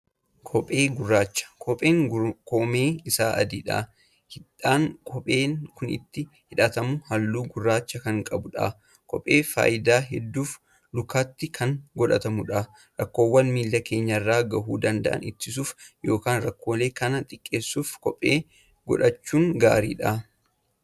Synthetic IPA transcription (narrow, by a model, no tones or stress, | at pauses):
kʰɔpʼeːɡʊrːaːt͡ʃːɐ̥kʰɔpʼeːŋkomeːɪsaːʔɐ̰d̪iːᶑa̰ː | hɪᶑaːŋkʰʼɔpʼe̞ːnkʊnɪ̰t̪ːɪ | hɪᶑɐt̪ɐmʊhɐlːuːɡʊrːaːt͡ʃːɐkɐŋkʼɐbʊᶑa̰ː | kʰɔ̰pʼːe̞ːfa̰ːʔɪd̪aːɦɛd̪ːuːf | lʊkaːt̪ːɪkʰɐŋɡɔᶑɐt̪ɐmʊᶑa | ɾɐkːo̞ːwːɐnmiːlːɐke̞ːɲːɐrːaːɡɐɦuːd̪ɐnd̪ɐ̰ʔɐ̰nɪ̰t̪ːɪs̬uːfjo̞ːkaːnrɐkːoːle̞ːkɐnɐt̪ʼɪkʼːe̞ːsːuːfkɔpʼːeː | ɡ̥ɔ̰ᶑɐt͡ʃːuːŋɡa̰ːɾḭːᶑaː